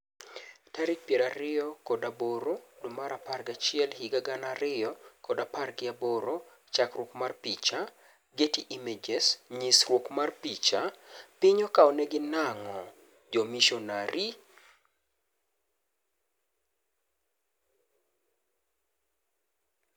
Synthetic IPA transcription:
taɾɪk̚pjɛɾaɾɪjɔkɔdaboɾodʊmaɾaparɡat͡ʃɪɛlhiɡaɡanaɾɪjɔkɔdaparɡɪaboɾo | t͡ʃakrwokmarpit͡ʃa | ɡetiʔimed͡ʒɛsɲisrwokmarpit͡ʃapɪɲɔkaɔnɛɡɪnaŋɔ | d͡ʒɔmiʃɔnaɾi

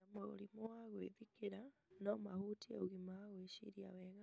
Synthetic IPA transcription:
amoṵlimowaɣwḛðikiɾanomahutieuɣimaaɣweʃḭɾiaweɣa

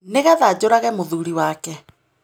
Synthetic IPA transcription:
neɣaðad͡ʑoɾaɣɛmoðuɾiwakɛ

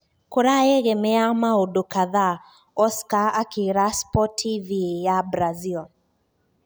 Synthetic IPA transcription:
koɾaɛɣɛmɛamaodokaða | ɔskaakiɾaspɔtʰːivijabɾazil

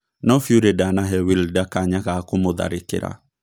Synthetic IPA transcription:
nɔfjoɾedanaɦɛwildakaɲaɣakomoða̰ɾekḛɾa̰

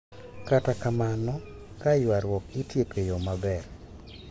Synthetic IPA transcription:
katakamanɔ | kajwaɾwɔkɪtjekejomabɛr

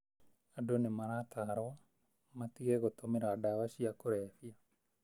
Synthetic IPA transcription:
adonemaɾat̪aɾwa | mat̪iɣɛɣot̪omeɾaːdawaɕiakoɾɛfia

